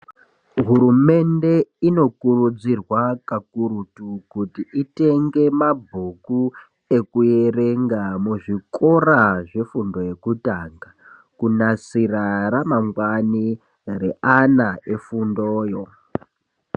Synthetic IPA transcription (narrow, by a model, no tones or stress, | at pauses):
ɦuɾume̞nde̞ino̞kurud͡zirwakakuɾutukutiʔite̞ŋɡe̞mabʱuku | e̞kuje̞re̞ŋɡamuʐiko̞raʐe̞fundo̞je̞kutaːŋɡa | kunasiraramaŋɡwani | re̞ʔanaʔefundoːjo